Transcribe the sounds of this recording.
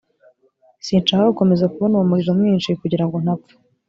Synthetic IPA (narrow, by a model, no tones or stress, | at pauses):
siːnt͡ʃaːhaɡuko̞me̞zakuβonuumuɾiʒomŋiːnʃikuɟiɾaŋɡo̞n̥ak